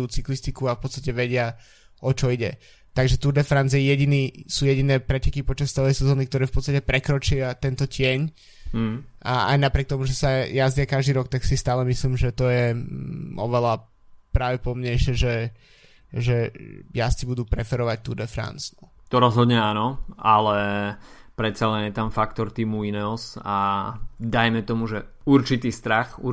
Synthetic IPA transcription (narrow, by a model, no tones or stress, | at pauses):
uːt͡siklist̪ikuafpɔt̪t͡st̪acɛʋɛɟɪa | ɔt͡ʃɔiɟɛ | t̪aɡʒɛt̪uɾd̪ɛfɾant͡sjɛjɛɟiniːsuːjɛɟinɛːpɾɛcɛkipɔt͡ʃast͡sɛlɛjsɛzɔːnikt̪ɔɾɛːfpɔt̪t͡sst̪acɛpɾɛkɾɔt͡ʃɪat̪ɛnt̪ɔcɪɛɲ̩ | aa̰jnapɾɪɛk̚t̪ɔmuʒɛsajazdɪakaʒd̪iːɾɔkt̪aksist̪aːlɛmisliːmʒɛt̪ɔjɛ | ɔʋɛla | pɾaːʋɛpɔmɲɛɪʃɪɛʒɛ | ʒɛjast͡sibud̪uːpɾɛfɛɾɔʋac̚t̪uːd̪ɛfɾa̰nsnu | t̪ɔɾɔzɦɔd̪ɲɛaːnɔalɛ | pɾɛt̪salɛnɪjɛt̪amfakt̪ɔɾt̪iːmuinɛɔsa | d̪ajmɛt̪ɔmuʒɛuɾt͡ʃit̪iːst̪ɾaxu